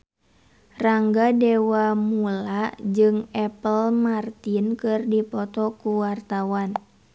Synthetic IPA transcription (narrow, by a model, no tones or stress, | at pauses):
raŋɡadɛwamulad͡ʒɨŋɛpəlmart̪inkɨrdipɔt̪ɔkuwart̪awan